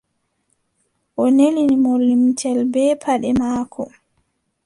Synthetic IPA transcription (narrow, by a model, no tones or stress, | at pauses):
ʔɔnelinimolːimtʰɛlbɛːpʰaɗɛmaːkʰɔ